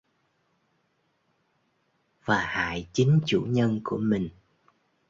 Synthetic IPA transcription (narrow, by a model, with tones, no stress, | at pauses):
vaː˨˩ha̰ː˧˨jt͡ɕï˨˦ŋ̟t͡ɕṵ˧˩ɲə˧nku˧˩əmï˨˩ŋ̟